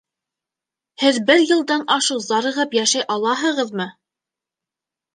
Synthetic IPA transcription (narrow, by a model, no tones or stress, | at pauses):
hɘðbɘɾjɤ̆lˠd̪ɑnʔɑʃɤzɑɾɤ̆ʁɤpjæʃæjʔɑlˠɑɦɤ̆ʁɤðmɤ